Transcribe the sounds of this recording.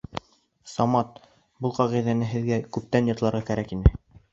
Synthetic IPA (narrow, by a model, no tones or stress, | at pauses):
sɑmɑt̪̚ | bɤlˠqɑʁiðænɘɦɘ̆ðɡækʉp̚t̪ænjɤ̆t̪lˠɑɾʁɑkæɾækinɘ